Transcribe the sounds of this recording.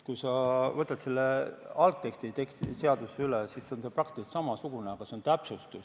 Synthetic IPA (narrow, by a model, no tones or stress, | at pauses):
kujsɑvɤt̪ːˑɑt̪selːeɑlk̚t̪ːe̞kst̪it̪ekst̪ise̞ɑd̪̥useylesisːo̞nse̞prɑk̚t̪iist̪sɑmɑsuɡ̥uneɑɡ̥ɑse̞o̞nt̪æpsust̪us